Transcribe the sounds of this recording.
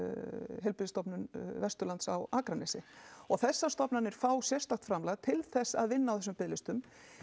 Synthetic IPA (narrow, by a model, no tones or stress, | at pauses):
ɦɛlpɪðst̪ɔpnʏnvɛst̪ʏɾlant̪sawaːkɾanɛsɪɔɣθɛsːast̪ɔpnanɪɾ̥faːwsjɛr̥st̪axt̪fɾamlaɣt̪ʰɪlθɛsːa̰ðvɪnːawθɛsʏmpɪðlɪst̪ʏm